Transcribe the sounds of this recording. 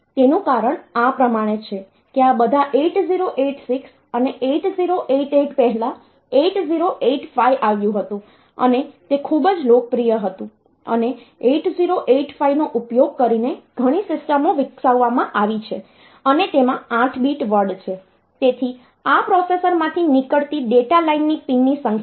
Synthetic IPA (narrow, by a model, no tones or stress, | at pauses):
t̪enũkaɾəɳapɾəmaɽ̃et͡ʃʰe | keabəd̪ʱaʔeʈziɾoʔeʈsiks | əneʔeʈziɾoʔeʈeʈpɛɦɛlã | eʈziɾoʔeʈfaiʔaʋjũɦət̪ũ | ə̰net̪ekʰubd͡ʒlok̚pɾijəɦət̪ũ | ə̰ne | eʈziɾoʔeʈfainoʔupjoɡ̚kəɾineɡ̥ʱəɽ̃isɪsʈəmoʋɪksaʋːamãʔaʋit͡ʃʰe | ənet̪emããʈʰbiʈʋəɾɖt͡ʃʰe | t̪et̪ʰi | apɾɔsesəɾmãt̪ʰinikəɭt̪iɖeʈalainːipinːisə̃ŋ